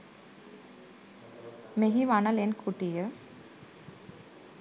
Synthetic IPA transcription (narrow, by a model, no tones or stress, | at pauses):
meɦiʋanɐlenkʰuʈijə